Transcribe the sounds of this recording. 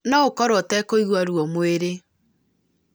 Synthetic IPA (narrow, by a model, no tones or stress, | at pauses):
naokɔɾwɔtɛkoiɣwaɾwɔmweɾe